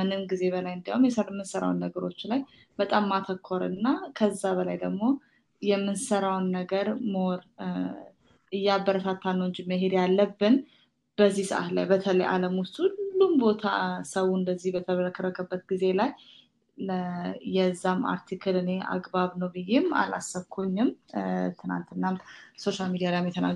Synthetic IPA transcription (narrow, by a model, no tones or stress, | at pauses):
mɨnɨmɡize̞βəlajɨnd̪ijaumjɛsəɾmːɨnsəɾa̰wnːəɡəɾo̞t͡ʃːlaj | b̥ət̪ʼamːat̪ʰəkʰːoɾɨ̰nːakʰəzːaβəlajd̪əɡmo̞ | jɛmːɨnsəɾawnːəɡəɾmoɾ | ɨjːabːəɾət̪ʰat̪ʰːanːəwɨɲd͡ʒiməɦed̪jalːəbːɨn | b̥əzːisɨʔa̰t̪la̰jbət̪ʰələjʔa̰ləmwʊst̪ʰʼuulːumbo̞t̪ʰa̰səwuɨnd̪əzːihbət̪ʰəβəɾəkʰːəɾəkʰəbːət̪̚ɡize̞laj | ləjɛzːama̰ɾt̪ʰikʰɨlɨne̞ʔa̰ɡbaβnəwbɨjːema̰la̰sːəβkʰoɲːɪmt̪ʰɨna̰nt̪ɨnːamso̞ʃalmid̪ijalajmjɛt̪ʰəna̰